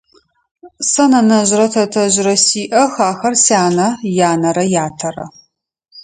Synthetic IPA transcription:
sɐnɐnɐʑrɐtʰɐtʰɐʑɾɐsiːʔɐxaːxɐrsaːnɐjaːnɐɾɐjaːtʰɐrɐ̰

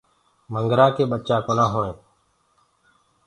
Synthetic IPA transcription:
məŋɡɾaːkeːɓət͡ʃaːkoːnãːɦoːẽː

